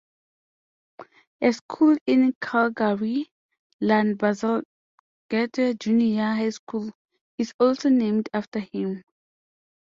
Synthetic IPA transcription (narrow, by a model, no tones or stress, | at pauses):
eskʰulĩnkʰalɡaɹi | lãnbazəl | ɡ̥ɛtʰəd͡ʒuniaɦajskʰul | izɔlsonẽmdaftəhĩm